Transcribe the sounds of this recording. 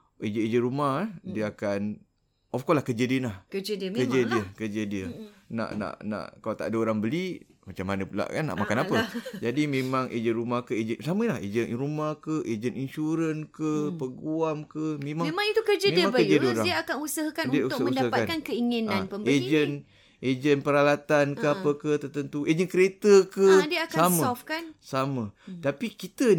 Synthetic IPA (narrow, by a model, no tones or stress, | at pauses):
ed͡ʒəed͡ʒənɾumahdiəakan | ʔɔfkɔlahkəd͡ʒədiənlahkəd͡ʒədkəd͡ʒədiəkəd͡ʒədiəna̰ʔna̰ʔna̰ʔkalat̪a̰ʔdəoɾaŋbəli | mat͡ʃamːanəpula̰ʔkanːa̰ʔmakanapəd͡ʒadimẽmaŋʔḛd͡ʒənɾumahkəed͡ʒənsaməlahḛd͡ʒənɾumahkəʔed͡ʒəninʃuɾənkəpəɡuamkəmẽmaŋmaŋit̪ukərd͡ʒamedmaŋbaəd͡ʒədəoɾadiəakanusəɦakanudiəut̪sməunsdapakankankəiŋinãnpəmed͡ʒən | ʔed͡ʒənpəɾalat̪ankəapəkət̪ərt̪ənt̪ued͡ʒənkəɾet̪əkədiəakkaaməɔfkansamət̪apikit̪ə